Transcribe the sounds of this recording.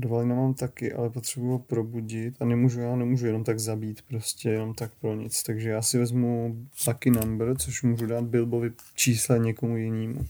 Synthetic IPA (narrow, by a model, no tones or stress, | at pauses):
dovalɪnamaːmt̪akɪʔa̰lɛpo̞t̪r̥ɛbujuɦopɾo̞buɟɪt̪anɛmuːʒujaːnɛmuːʒujɛno̞mt̪aɡzabiːt̪pɾo̞scɛjɛno̞mt̪ak̚pɾo̞ɲɪt͡st̪aɡʒɛjaːsɪvɛzmublakɪnambɾt͡so̞ʃmuːʒudaːt̪̚bɪlbovɪt͡ʃiːslɛɲɛkomujɪniːmṵ